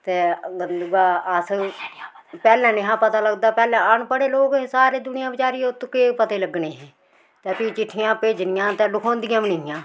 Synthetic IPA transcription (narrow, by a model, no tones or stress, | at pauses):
t̪eːɡəd̪ʊɡaːəs | pɛːlɛ̃ːnɪɦãːpət̪aːləɡd̪aːpɛːlãːənpəɽeːloːkːsaːɾeːd̪ʊnɪjãːbɪt͡ʃaːɾiːʊt̪keːpət̪eːləɡneːɦẽː | t̪ɛːpiːt͡ʃɪʈʰːɪjãːpeːd͡ʒnɪjãːt̪ɛ̃ːlʊkʰõːnd̪ɪjãːʋɪnɪːjãː